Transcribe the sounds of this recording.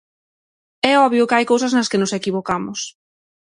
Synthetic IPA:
ɛɔβjʊkɪajkowsɐznɐskɪnʊsekiβokamʊs

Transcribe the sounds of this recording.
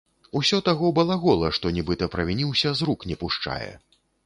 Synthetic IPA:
usʲɔt̪aɣɔwbɐlˠaɣɔlˠɐʂt̪ɔnʲibɨt̪ɐpɾɐvʲinʲiwsʲɐzɾuknʲɛpuʂt͡ʂa̰jɛ̰

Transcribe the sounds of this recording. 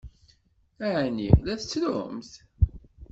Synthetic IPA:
æʕnḭlæθət͡sːlʊmθ

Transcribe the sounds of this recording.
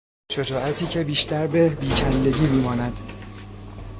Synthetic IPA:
ʃed͡ʒɒːʔæt̪ʰiːcʰe̞biːʃt̪æɾbe̞biːt͡ʃʰænd̪e̞ɟiːmiːmɒːnæd̪̥

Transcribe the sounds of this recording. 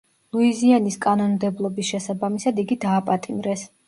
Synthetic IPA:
lˠuizianiskʼanɔnmd̪ɛblˠɔbisʃɛsabamisad̪iɡid̪aːpʼat̪ʼimɾɛs

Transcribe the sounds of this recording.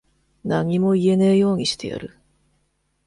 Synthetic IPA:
naɲ̟imo̞ie̞neijo̞ːɲ̟iɕi̥t̪e̞ja̰ɾɯ̟

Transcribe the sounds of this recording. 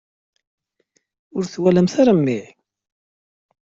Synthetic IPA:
ʊɾθwæləmθaɾamːiʕ

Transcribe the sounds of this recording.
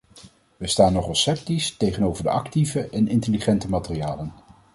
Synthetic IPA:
ʋəstaːnːɔχɑsɛp̚tistejχənowvəɹdə̰ʔɑktivəʔɛnɪntəliχɛntəmaːtəriaːlən

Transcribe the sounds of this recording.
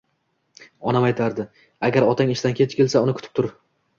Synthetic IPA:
ɒnamajt̪ʰaɾd̪ɪ | aɡʲaɾɒt̪ʰaŋɪʃt̪ankʲʰe̞t̪ɪkʲe̞lsaʊnɪkʰʊ̥t̪ʰɪ̥p̚t̪ʰʊɾ

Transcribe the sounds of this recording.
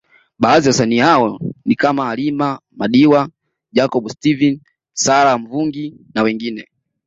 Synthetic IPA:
ɓaːziwasanihaɔnikamaːlimamaɗiwa | d͡ʒakɔɓustivin | saɾam̩vuŋɡi | nawɛŋɡinɛ

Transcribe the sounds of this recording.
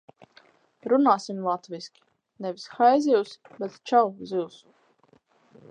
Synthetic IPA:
ɾunaːsimlˠat̪viskʲi̥ | nɛvisxajzʲiws | bɛt̪t͡ʃawziws

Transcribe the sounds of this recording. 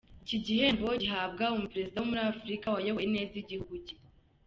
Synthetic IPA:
iciɟihe̞mbo̞ɟiɦab̚ɡaomupeɾe̞zidawomuɾafuɾikawajowene̞ːziɟihuɡuci

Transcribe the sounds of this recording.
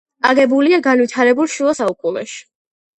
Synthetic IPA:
aɡɛbuliaɡanwit̪ʰaɾɛbulˠʃuɔsaukʼunɔʃi̥

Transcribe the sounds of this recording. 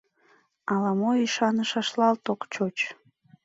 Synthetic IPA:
ɑlɑmoiʃɑnəʃɑʃlˠɑlt̪oqt͡ɕot͡ɕ

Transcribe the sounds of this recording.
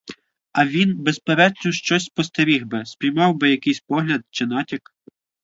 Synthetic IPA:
ɐʋʲinbespeɾɛnʲʊʃt͡ʃɔsʲpɔst̪ɐɾʲixbɪspʲɾʲijmɑwbɪjɐkɪjsʲpɔɦlʲɐd̪̚t͡ʃɪnɑtʲik

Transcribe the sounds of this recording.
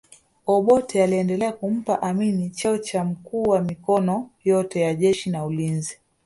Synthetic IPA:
ɔɓɔtʰɛaliɛndɛlɛakum̩paʔaminit͡ʃɔɔt͡ʃam̩kuːwamikɔnɔjɔtɛjaʄɛʃinaulinzi

